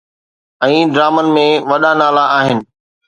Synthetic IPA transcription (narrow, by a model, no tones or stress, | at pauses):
ɛ̃ːɖɾaːmənɪ̆mẽʋɐɗanaːlaʔaːɦɪnɪ̆